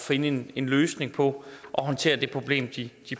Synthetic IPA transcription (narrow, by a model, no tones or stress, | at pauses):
fe̝nəe̝ne̝nløːsne̝ŋpʰɒ̽ʔɒ̽ɦɒ̽nt͡sʰe̝̰ːɐd̥e̝pʰʁo̝b̥le̝̰ːmd̥id̥i